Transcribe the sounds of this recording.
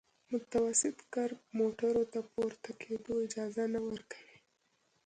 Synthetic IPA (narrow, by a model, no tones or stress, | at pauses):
mʊt̪awasɪt̪kaɾbmoʈaɾot̪apoɾt̪akʰed̪oɪd͡ʒɑzanawəɾkḁwi